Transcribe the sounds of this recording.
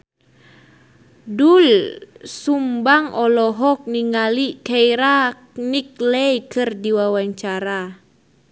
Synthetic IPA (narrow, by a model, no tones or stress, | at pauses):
dulsumbaŋɔlɔɦɔk̚niŋalikɛiɾa | nik̚lɛjkɨrdiwawaɲt͡ʃaɾa